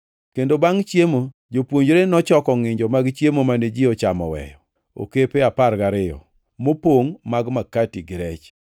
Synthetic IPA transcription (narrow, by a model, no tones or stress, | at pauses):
kendobaŋt͡ʃjemo | d͡ʒopwoɲd͡ʒɾenɔt͡ʃɔkɔŋɪɲd͡ʒɔmaɡt͡ʃjemomaned͡ʒɪɔt͡ʃamɔ̰wɛ̰jɔ | o̰kepeaparɡaɾɪɔ̰ | mopoŋmaɡmakatiɡɪɾɛt͡ʃ